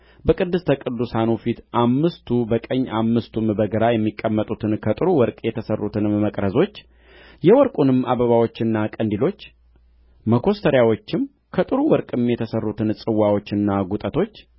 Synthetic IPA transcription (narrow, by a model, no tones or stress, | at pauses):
bəkʼɨd̪ːɨst̪ʰəkʼɨd̪ːusanufit̪ʔamːɨst̪ʰubəkʼəɲːamːɨst̪ʰumbəɡəɾajɛmːikʼːəmːət̪ʼut̪ʰɨnkʰət̪ʼɨɾuwɔɾkʼjɛt̪ʰəsərːut̪ʰɨnːəkʼɾəzo̞t͡ʃː | jɛwɔɾkʼunɨmʔa̰βəβawo̞t͡ʃːɨnːakʼənd̪ilo̞t͡ʃː | məkʰo̞st̪ʰəɾjawo̞t͡ʃːɪm | kʰət̪ʼɨɾuwɔɾkʼɨmjɛt̪ʰəsərːut̪ʰɨnsʼɨwːawo̞t͡ʃːɨnːaɡut̪ʼət̪ʰo̞t͡ʃː